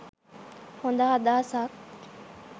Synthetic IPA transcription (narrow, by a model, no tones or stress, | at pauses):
hõːnd̪aːad̪aːsaːk